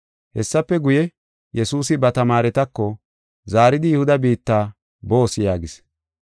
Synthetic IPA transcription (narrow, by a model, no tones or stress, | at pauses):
hɛsːɐpːɛɡʊjɛ | jɛsuːsɪbɐt̪ɐmaːɾɛt̪ɐkːɔ | zaːɾɪd̪ɪjʊhʊd̪ɐbiːt̪ːaː | bo̞ːsɪjaːɡɪs